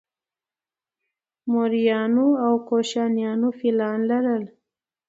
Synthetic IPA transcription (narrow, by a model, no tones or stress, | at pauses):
mʊɾijɑːnoawkoʃɑnjɑnofilɑnlaɾəl